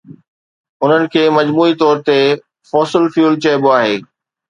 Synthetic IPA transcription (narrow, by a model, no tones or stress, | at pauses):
ʊn̤ənɪ̆kʰeːmɐd͡ʑmuːit̪ɔːɾt̪e | fɔːsɪlfjuːlt͡ɕɐːboaːɦeː